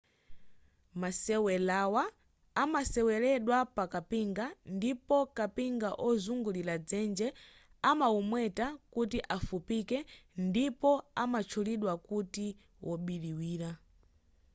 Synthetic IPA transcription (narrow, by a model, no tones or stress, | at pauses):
masɛwɛlawaː | masɛwɛlɛɗwapakapiŋɡandipɔkapiŋɡaʔɔzuŋɡulilad͡zɛnd͡ʒɛ | amaumwɛtakutiʔafupikɛndipɔamat͡ʃʰuliɗwakuti | wʔɔɓiliwiːɾa